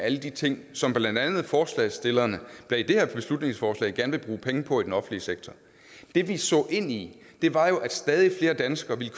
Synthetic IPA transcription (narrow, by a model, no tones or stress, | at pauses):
æləd̥it͡sʰe̝ŋ̰sɒ̽mb̥lænd̥ænð̞̩ˠfɒːslɛ̰ɪsd̥e̝lɐnəb̥led̥e̝heɐ̰b̥e̝slud̥ne̝ŋsfɒːslɛ̰ɪɡ̥æɐnʋe̝b̥ʁuːpʰeŋəpʰɒ̽id̥enɒfn̩liseɡ̥t͡sʰɒ | d̥e̝ʋisɔ̰̽ːʔe̝n̰i | d̥e̝ʋɑ̈jo̝ʔæd̥sd̥ɛːð̞ˠifle̝ːɐd̥ænsɡ̥ɐʋiləkʰ